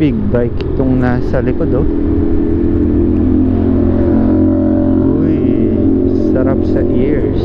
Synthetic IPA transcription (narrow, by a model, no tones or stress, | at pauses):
ɪɡ̚bajkɪ̥t̪ʊŋnasɐlɪkod̪o | o | j | sɐɾap̚sɐʔiɹs